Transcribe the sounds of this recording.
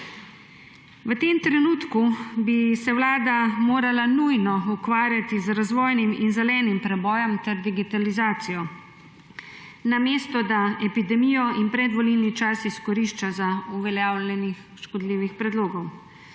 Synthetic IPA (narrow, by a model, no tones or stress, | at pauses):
ʋət̪emt̪ɾɛnuːt̪kubisɛwlaːd̪amoːɾalanujnɔukʋaːɾjat̪izɾazʋɔːjniminzɛlɛːnimpɾɛbɔːjɔmt̪ɛɾd̪iɡit̪alizaːt̪sijɔ | nameːst̪ɔd̪aɛpid̪ɛmiːjɔʔinpɾɛd̪ʋɔlilnit͡ʃasiskɔɾiʃt͡ʃazauʋɛljaːwlʲɛnix | ʃkɔd̪liːʋixpɾɛd̪loːɡɔw